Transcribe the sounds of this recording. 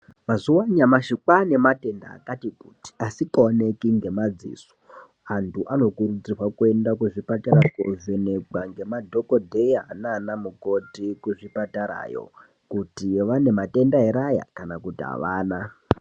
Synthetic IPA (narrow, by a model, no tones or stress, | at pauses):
mazuwaɲamaʃikwane̞mate̞nda̰ːkatikuti̥asikaone̞kiŋɡe̞mad͡zḭːso̥ | antʰuʔano̞kuɾud͡zirwakue̞ndakuʐipataɾakoʐenekwaŋɡe̞madʱo̞kodʱejananamuko̞tikuʐipataɾa̰ːjo̰ | kutiʋane̞mate̞ndaɦiɾaja̰kanakutia̰ʋaːna